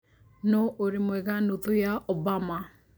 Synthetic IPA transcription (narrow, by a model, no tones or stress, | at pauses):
nɔʔoɾemwɛɣanotojaɔbama